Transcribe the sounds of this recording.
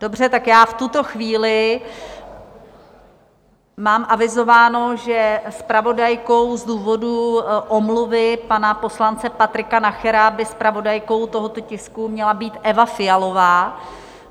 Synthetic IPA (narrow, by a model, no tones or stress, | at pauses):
d̥o̞br̝ɛt̪akjaːft̪ut̪o̞xviːlɪ | maːmʔavɪzo̞vaːnoʒɛspɾavo̞dajko̞wzduːvo̞duʔomluvɪpanapo̞slant͡sɛpat̪ɾɪkanaxɛɾabɪspɾavo̞dajko̞wt̪o̞ɦot̪o̞cɪskumɲɛlabiːt̪ʔɛvafɪjalo̞vaː